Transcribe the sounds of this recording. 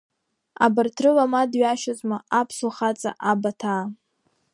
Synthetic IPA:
a̰bartʰrɨlamadɥaʃazʼmaapʰsuχat͡sʼa̰ʔabatʰaː

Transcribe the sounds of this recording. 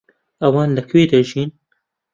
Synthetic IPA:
ɐwɑːnlɨkʰweːd̪ɐʒiːn

